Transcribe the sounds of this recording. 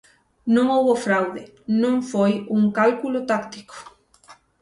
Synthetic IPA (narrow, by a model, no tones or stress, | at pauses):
nõŋowβofɾawðɪ | nõŋfojuŋkalkulot̪akt̪i̥ko̥